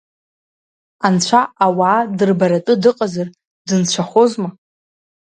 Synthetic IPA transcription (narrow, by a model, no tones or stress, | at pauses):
ant͡ɕʷʰaawaːdɨrbaɾatʼɨdɨqʼazar | dɨnt͡ɕʷʰaχozma